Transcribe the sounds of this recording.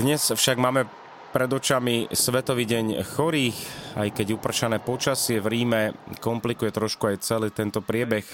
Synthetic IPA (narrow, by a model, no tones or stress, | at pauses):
d̪ɲɛsfʃaɡmaːmɛ | pɾɛd̪ɔt͡ʃamisʋɛt̪ɔʋiːɟɛɲxɔɾiːxajkɛɟupr̩t͡ʃanɛːpɔt͡ʃasɪɛvɾiːmɛkɔmplikujɛt̪ɾɔʃkuajt͡sɛliːt̪ɛnt̪ɔpɾɪɛbɛx